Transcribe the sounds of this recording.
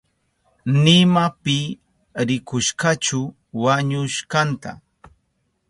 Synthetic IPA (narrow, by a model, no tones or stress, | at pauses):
nɪmapɪ | ɾɪkʊʃkat͡ʃʊ | waɲʊʃkant̪a̰